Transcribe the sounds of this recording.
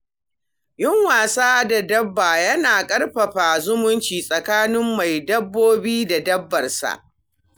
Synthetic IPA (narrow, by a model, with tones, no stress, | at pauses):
jɪ˦ŋwaː˨saː˦da˨dɐ˦bːaː˨jɐ˦naː˨kʼɐ˦rɸɐ˨ɸaː˨zʊ˦mʊ˦nt͡ʃiː˨sʼɐ˨kaː˦nɪ˦mːa˨jdɐ˦bːoː˦biː˦da˨dɐ˦bːɐ˨rsa̰˨ʔ